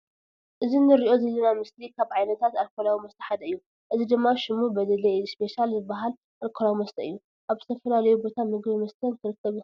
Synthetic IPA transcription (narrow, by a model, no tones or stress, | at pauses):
ʔɨzinɨɾiʔo̞zɐlːɐnamɨslikʰaβʕajnɐt̪ʰat̪alkʰolawimɐst̪ʰɐ̥ħad̪ɐɨjːu | ʔɨzid̪ɨmːaʃɪmubɐd̪ɐlɐspe̞ʃalzɨbaɦal | ʔalkʰolawimɐst̪ʰɐʔɨjːu | ʔaβzɨt̪ʰɐfɐlalɐjubo̞t̪ʰamɨɡbimɐst̪ʰɐnk̪ʰɨɾɨkʰːɐβu